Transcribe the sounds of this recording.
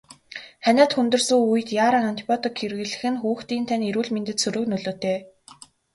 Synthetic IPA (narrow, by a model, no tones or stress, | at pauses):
χænʲaːt̪xɵnt̪ɵ̆rsɵ̆ŋujɘ̆t̪jaːɾaːŋɔnt̪i̥pʰɔt̪ɔkʰːerɣɘ̆ɮɘ̆xɘ̆nxuːxt̪iːnt̪ʰæneɾuːɮment̪ɘ̆t̪sɵɾɵ̆knɵɮoːt̪ʰeː